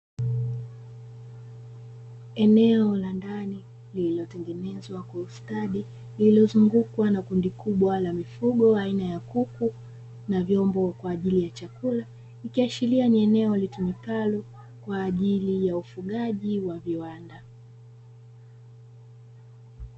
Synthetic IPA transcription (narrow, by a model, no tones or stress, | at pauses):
ɛnɛɔlandani | lililɔtɛŋɡɛnɛzwakwaustaɗi | lilɔzuŋɡukwanakundikuɓwalamifuɠɔainajakuku | navjɔmbɔkwaːʄilijat͡ʃakula | ikiaʃilianiɛnɛɔlitumikalɔ | kwaːʄilijaufuɠaʄiwaviwanda